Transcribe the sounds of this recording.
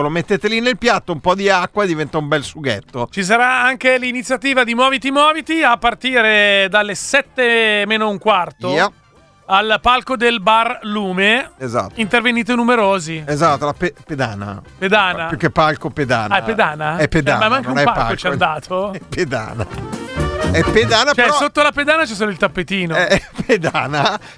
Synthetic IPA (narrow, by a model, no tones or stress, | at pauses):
lomet̪ːet̪elinelpjat̪ːoumpɔd̪iakːwaed̪ivɛnt̪aumbɛlsuɡet̪ːot͡ʃis̬aɾaaŋkelinit̪sːjat̪iːvad̪imɔːvit̪imɔːvit̪iapːart̪iːɾed̪alːesɛt̪ːemeːnouŋkwart̪oi | alpalkod̪elbarluːmeeza̰t̪ːint̪erveniːt̪enumeɾoːziezat̪ːolapeped̪a̰ːna̰ped̪aːnajukːepːalkoped̪a̰ːnapːed̪aːnaɛpːed̪a̰mamaŋkeũɛpaalot͡ʃiad̪aːt̪ʰoɛpːed̪a̰ːna̰ | ɛpːed̪aːnat͡ʃɛɾɔssot̪ːolaped̪aːnat͡ʃɛs̬oːloilt̪apːet̪iːnoɛped̪aːna